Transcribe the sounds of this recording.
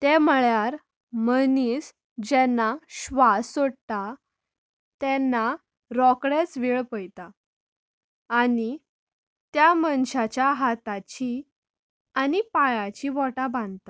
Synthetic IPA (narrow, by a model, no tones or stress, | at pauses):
t̪eməɭjaɾ | məniːs | d͡ʑɛnːaɕʋasoɽt̪a | t̪ɛnːa | ɾɔkɽet͡sʋiɭpəjt̪a | ni | t̪jamənɕat͡ɕjaɦat̪at͡ɕi | anipajat͡ɕiʋɔʈabãnt̪a